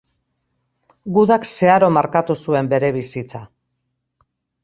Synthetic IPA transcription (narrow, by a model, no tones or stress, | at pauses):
ɡuðakse̞aɾo̞maɾkat̪usue̞mbe̞ɾe̞β̞isit͡sa